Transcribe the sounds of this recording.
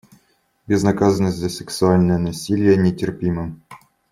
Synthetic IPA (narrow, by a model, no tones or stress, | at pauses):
bʲɪznɐkazənəsʲzʲəsʲɛksʊalʲnəjənɐsʲilʲɪjənʲɪtʲɪrpʲimɨm